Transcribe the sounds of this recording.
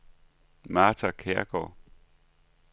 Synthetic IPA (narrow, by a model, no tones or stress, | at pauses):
mɑ̈ːt͡sʰækʰeɐ̰ɡ̥ɒ̰